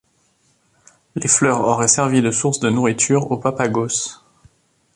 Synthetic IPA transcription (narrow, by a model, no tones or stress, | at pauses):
leflœʁɔ̰ʁɛsɛʁvid̪əsuʁsd̪ənuʁit̪ʰyʁopapaɡos